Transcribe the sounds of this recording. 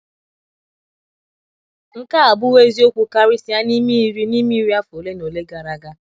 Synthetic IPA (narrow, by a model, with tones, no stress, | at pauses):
ŋ̩˦ka˦a˨bʊ˦we˦zi˦o˦kʷu˦ka˦ɾi˦si˦a˦ni˦mi˦i˦ɾi˦ni˦mi˦ɾi˦a˦fo˨le˦no˨le˦ɡa˨ɾa˨ɡa˦